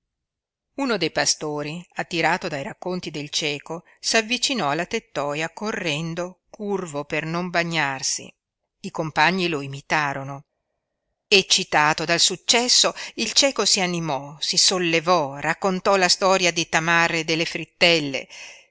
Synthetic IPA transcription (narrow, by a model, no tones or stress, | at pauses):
unod̪ejpast̪oːɾiat̪ːiɾaːt̪od̪ajɾakːont̪id̪elt͡ʃɛːko | savːit͡ʃinɔalːat̪et̪ːɔːjakorːɛnd̪okurvopernombaɲːarsḭ | ikompaɲːiloimit̪aːɾono | et͡ʃːit̪aːt̪od̪alsut͡ʃːɛsːoilt͡ʃɛːkosianimɔsisolːevɔrakːont̪ɔlast̪ɔːɾjad̪it̪amaɾed̪elːefɾit̪ːɛlːḛ